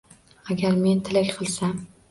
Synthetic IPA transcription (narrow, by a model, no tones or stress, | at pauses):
aɡʲaɾme̞nt̪ʰɪlakʲqʰɨlˠsam